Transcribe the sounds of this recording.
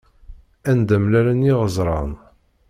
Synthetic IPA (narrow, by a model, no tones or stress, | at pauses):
ænd̪æmlæɾænjɪʁəzˤɾˤɑn